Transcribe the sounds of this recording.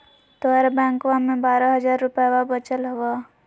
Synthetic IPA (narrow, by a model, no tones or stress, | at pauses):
t̪oɛɾbɛ̃ːŋkʋamẽbaːɾaɦəzaːɾːʊpjawabət͡ʃəlɦʊʋaː